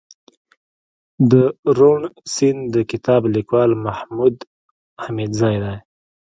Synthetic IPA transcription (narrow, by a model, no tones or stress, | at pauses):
d̪əɾoɳsɪnd̪əkɪt̪ɑblikwɑlmahmud̪ | hamid̪zɑjd̪aj